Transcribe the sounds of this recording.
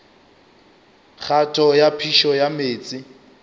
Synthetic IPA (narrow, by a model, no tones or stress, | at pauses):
k͡xʰatʰɔjapʰiʃɔjameːt͡sʼɪ